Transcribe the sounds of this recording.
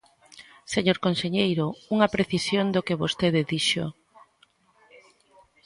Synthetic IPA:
seɲoɾkonseɲejɾouŋɐpɾeθisjond̪okeβost̪eðeðiʃo

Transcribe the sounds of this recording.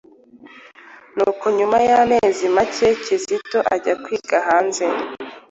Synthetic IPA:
nuːko̞ɲumajame̞ːzimace̞cizito̞ʔaɟakwiːɡaɦaːnze

